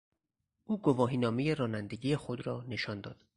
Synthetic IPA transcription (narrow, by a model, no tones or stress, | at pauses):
ʔuːɡovɒːɦiːnɒːmeje̞ɾɒːnænd̪eɟiːje̞xod̪ɾɒːne̞ʃɒːnd̪ɒ̰ːd̪̥